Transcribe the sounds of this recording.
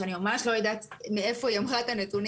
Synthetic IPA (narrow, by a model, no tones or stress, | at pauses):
animamaʃlo̞jad̪at̪mee̞fo̞jamʁat̪anet̪un